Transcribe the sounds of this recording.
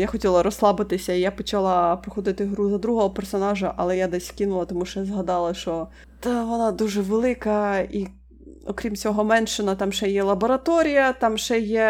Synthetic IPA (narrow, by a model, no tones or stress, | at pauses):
jaxɔtʲilˠɐɾɔslˠɑbɪt̪ɪsʲɐijapɔt͡ʃɐlˠɑpɾɔxɔd̪ɪt̪ɪɦɾuzɐd̪ɾuɦɔɦɔpersɔnɑʒɐʔɐlˠɛjad̪ɛsʲkʲinʊlˠɐt̪ɔmuʃt͡ʃɔjazɦɐd̪ɑlˠɐʃt͡ʃɔ | d̪aʋɔnɑd̪uʒɛʋelˠɪkɐi | ɔkɾʲimt͡sʲɔɦɔmɛnʃɪnɐt̪ɑmʃɛjɛlˠɐbɔɾɐt̪ɔɾʲijɐt̪ɑmʃɛjɛ